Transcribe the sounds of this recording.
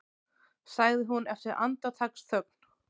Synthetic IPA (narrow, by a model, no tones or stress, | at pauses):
saːɣðɪɦunɛft̪ɪɾʔa̰nt̪at̪ʰaksθʰœk̚n̥